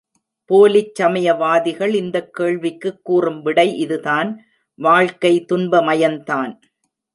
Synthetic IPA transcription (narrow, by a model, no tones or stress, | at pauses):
poːlɪt͡ʃːɐmɐjɐʋaːðɪɣɐɭɪnd̪ɐkːeːɭʋɪkːɯkːuːrɯmʋɪɽɐɪʔɪðɯðaːn | ʋaːɻkɐɪt̪ʊnbɐmɐjɐnt̪aːn